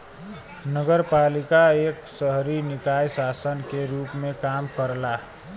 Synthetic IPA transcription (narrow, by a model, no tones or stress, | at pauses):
nəɡəɾpalikaeksəɦɾinikajsasənkeɾupmẽkamkəɾla